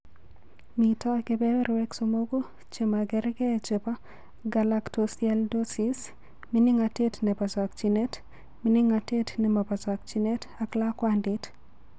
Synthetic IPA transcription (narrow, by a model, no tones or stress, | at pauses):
mitɔɡebɛwɛɾwɛksomoɡo | t͡ʃemaɡɛɾɡɛt͡ʃepa | ɡalaktosjaldosis | minɪŋatetnɛbazak̚t͡ʃinet | minɪŋatetnemabazak̚t͡ʃinetaklakwandɪt